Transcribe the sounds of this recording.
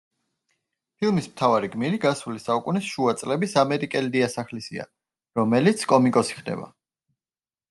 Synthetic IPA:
pʰilˠmismt̪ʰavaɾiɡmiɾiɡasulisaukʼunisʃuat̪sʼlɛbisamɛɾikʼɛlid̪iasaχlisḭa̰ | ɾɔmɛlit̪sʰkʼɔmikʼɔsi̥χd̪ɛ̰ba̰

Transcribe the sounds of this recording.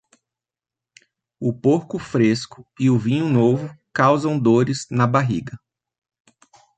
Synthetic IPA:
ʊpoɾkʊfɾeskʊɪʊvĩɲʊnovʊkawzɐ̃w̃d̪oɾɪznɐbaɦiɡɐ

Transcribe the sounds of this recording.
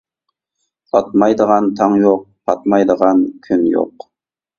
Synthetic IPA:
ɑt̪̚mɑjd̪əʁɑnt̪ʰɑŋjoq̚pʰɑt̪̚mɑjd̪əʁɑnkʲʰynjo̰q

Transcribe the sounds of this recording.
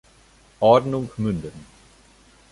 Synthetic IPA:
ʔɔːdnuŋkʰmyndən

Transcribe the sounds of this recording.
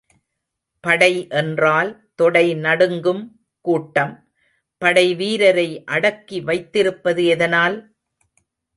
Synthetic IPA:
pɐɽɐɪʔɛndraːlt̪ɔɽɐɪnɐɽɯŋɡɯm | kuːʈːɐm | pɐɽɐɪʋiːɾɐɾɐɪʔɐɽɐkːiʋɐɪt̪ːɪɾɯpːɐðɯɛðɐnaːl

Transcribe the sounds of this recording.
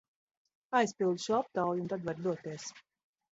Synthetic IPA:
ajspilˠd̪ʃuɔap̚t̪awjunt̪ad̪vaɾd̪uɔt̪iɛs

